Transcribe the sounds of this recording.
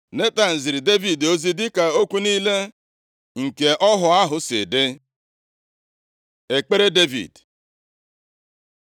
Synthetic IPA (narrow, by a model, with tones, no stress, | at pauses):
ne˦ta˨n̩˨zɪ˨ɾɪ˨de˦vi˨do˦zi˦dɪ˦ka˨o˦kʷu˦niː˦le˦ | ŋ̩˨ke˨ʔɔ˦ɦʊ˨a˦ɦʊ˨sɪ̰˨de˦ | e˨k͡pe˦ɾe˦de˦vḭ˨d